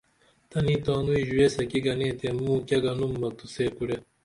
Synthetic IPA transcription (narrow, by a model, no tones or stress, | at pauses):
t̪ɐnĩːt̪aːnuiʑuesekiɡɐnẽːt̪emũːkʲjɐɡɐnumːɐt̪useːkuɽe